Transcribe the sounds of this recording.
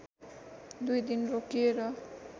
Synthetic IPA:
d̪ujd̪inrokieɾʌ

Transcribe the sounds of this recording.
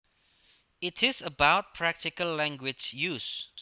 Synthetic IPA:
ɪtʰɪsəbaʊt̚pʰɹæk̚tɪkəlːæ̃ŋɡwɪd͡ʒjus

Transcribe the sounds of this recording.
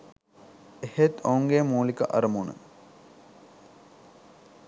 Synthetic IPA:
ehet̪ouŋɡemuːlikəʔɐ̰ɾəmunə̰

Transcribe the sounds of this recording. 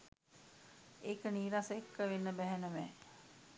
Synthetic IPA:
eːkəniːɾasekːəʋenːəbæɦænəmɛː

